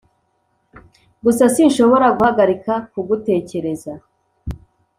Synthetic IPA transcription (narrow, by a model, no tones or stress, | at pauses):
ɡusasinʃo̞βo̞ɾaɡuhaɡaɾikakuɡute̞ːce̞ɾe̞za